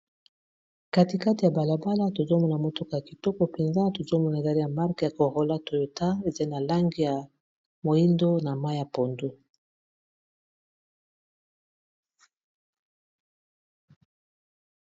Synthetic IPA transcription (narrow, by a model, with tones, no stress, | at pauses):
ka˦ti˨ka˦ti˨ja˨ba˨la˨ba˦la˦to˨za˦mɔ˦˨na˨mo˨tɔ˦ka˨ja˨ki˨tɔ˦kɔ˦pe˨nza˦to˨zo˦mɔ˦na˨a˨li˦ja˨ma˦ʁkja˨ko˨ʁo˨la˦to˨jo˨ta˦e˨za˦i˦na˨la˦ŋɡi˦ja˨ | mo˨i˦ndo˦na˨ma˦ja˨po˨ndu˦